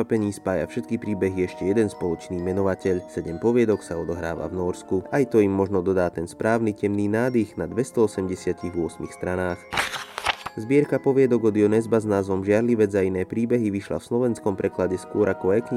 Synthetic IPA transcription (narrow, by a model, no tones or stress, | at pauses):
apɛɲiːspaːja̰fʃɛt̪̚kipɾiːbɛɦiɛʃcɛjɛd̪ɛnspɔlˠɔt͡ʃniːmɛnɔʋacɛʎsɛɟɛmpɔʋɪɛd̪ɔksaɔd̪ɔɦɾa̰ːʋa̰vnɔɾskuajt̪ɔimːɔʒnɔd̪ɔd̪aːt̪ɛnspɾʔaːʊnicɛmniːnaːd̪iɣnad̪ʋɛst̪ɔɔsɛmɟɛsɪaciɣʋʊɔsmixst̪ɾanaːx | zbɪɛɾkapɔʋɪɛd̪ɔɡɔd̪iɔnɛzbaznaːzʋɔmʒɪaɾliʋɛd͡zainɛːpɾiːbɛɦiʋiʃla̰fslɔʋɛnskɔmpɾɛklaɟɛskʊɔɾʔakɔɛk